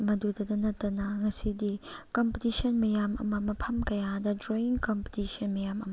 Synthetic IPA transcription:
mɐdudɐdɐnɐtːɐnɐŋɐsidikompetisɐnmɐjamɐ̰mɐmɐpʰɐmkɐjadɐdɾoiŋkompe̥tisɐnmɐjamɐ̰mɐ

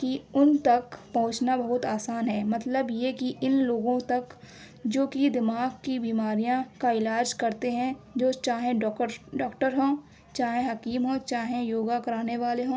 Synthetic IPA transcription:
kiʊnt̪ɐkpɐɦʊ̃t͡ʃnabɐɦʊt̪aːsaːnɦɛːmɐt̪ləbjekiʔɪnloːɡõt̪ɐk | d͡ʒoːkid̪ɪmaːɡkibiːmaːɾijãkaɪlaːd͡ʒkɐɾt̪eɦɛ̃d͡ʒoːt͡ʃaːɦẽɖɔːkʈəɾɦõː | t͡ʃaːɦẽɦɐkiːmɦõːt͡ʃaːɦẽjoːɡakɐɾaːneʋaːleɦõː

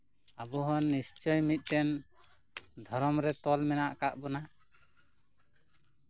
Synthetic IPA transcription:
abɔɦɔnːist͡ʃɔjmit̪̚ˀɛn | d̪ʱɔɾɔmɾɛt̪ɔlmɛnaʔkaʔbɔna

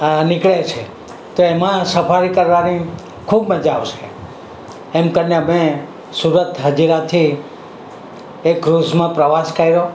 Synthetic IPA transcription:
nɪkɭet͡ʃʰe | t̪oemãsəfʰaɾikəɾʋani | kʰubməd͡ʒaʋʃe | emkəɾnjamẽ | suɾət̪ɦəd͡ʒiɾat̪ʰi | ekɾuzmãpɾəʋaskəiɾo

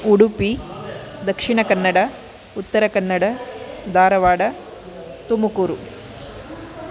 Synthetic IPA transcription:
uɽupid̪ɐkʂiɳɐkɐnːɐɽɐ | ut̪ːɐɾɐkɐnːɐɽɐd̪ʱaːɾɐʋaːɽɐ | t̪umɐkuːɾu

